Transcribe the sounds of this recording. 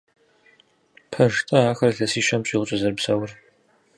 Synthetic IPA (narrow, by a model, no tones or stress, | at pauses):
pʰɐʒtʼɐaːxɐrɮɐsiːʃɐmɕʼiʁʊt͡ʃʼɐzɐrbsɐwʊr